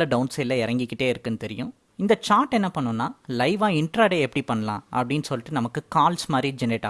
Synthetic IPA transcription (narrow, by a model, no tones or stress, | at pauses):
lɐɖɐʊnsɪlːɐɪɾɐŋɡɪkːɪʈːeːɪɾɯkːɯnːɯt̪ɛɾɪjʊ̃ | ɪnd̪ɐt͡ʃaːɾʈɛnːɐpɐɳːʊnːaːlɐɪʋãːɪɳʈɾaːɽeːɛpːɐɽipɐɳːɐlã̰ːʔɐ̰pːɐɽɪnːsɔlːɪʈːɯnɐmɐkːɯkaːlsmaːd̪ɾid͡ʒɛneʈːaː